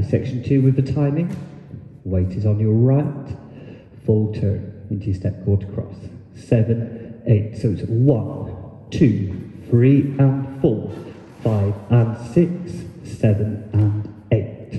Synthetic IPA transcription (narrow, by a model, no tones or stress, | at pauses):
sɛkʃn̩tʰʉwɨðətʰãɪ̃mɪ̃ŋ | weɪtɪzn̩jəɹaɪt | fʊlˠtʰɜ̰̃nə̃ntʰɨjɨstɛp̚kʰɔɹtʰə̥kʰɹ̥ɔ̰s | ɛvə̃nʔeɪtsoʊɨtswʌ̃n | tʰʉ | θɹiə̃nfʊlˠ | faɪvə̃nsɪksɛvə̃nə̃n | eɪt